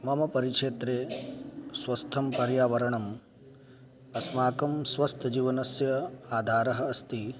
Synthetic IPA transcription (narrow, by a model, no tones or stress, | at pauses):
mɐmɐpɐɾikʂeːt̪ɾeː | sʋɐst̪ʰɐmpɐɾjaːʋɐɾɐɳɐm | ɐsmaːkɐmsʋɐst̪ʰɐd͡ʒiːʋɐnɐsjɐaːd̪ʱaːɾɐɦɐ̆ɐst̪i